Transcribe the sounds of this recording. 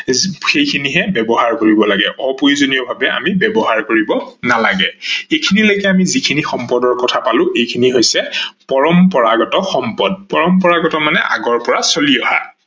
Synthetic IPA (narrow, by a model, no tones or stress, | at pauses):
xejkʰiniɦɛbɛbɔɦaɹkoɹibɔlaɡɛ̰ʔɔpoɹizoniɔbʱabɛa̰mibɛbɔɦaɹkoɹibɔnalaɡɛejkʰinilojkɛamizikʰinixɔmpɔdɔɹkɔtʰapalʊ̃ʔejkʰiniɦojsɛpɔɹɔmpɔɹa̰ɡɔtɔxɔmpɔd̚pɔɹɔmpɔɹaɡɔtɔmanɛ̰ʔa̰ɡɔɹpɔɹasoliɔha̰